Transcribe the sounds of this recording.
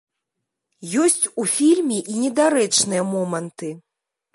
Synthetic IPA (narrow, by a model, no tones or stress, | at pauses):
jɔsʲt͡sʲufʲilʲmʲɛʔinʲɛd̪aɾɛt͡ʂnɨjɐmɔmɐnt̪ɨ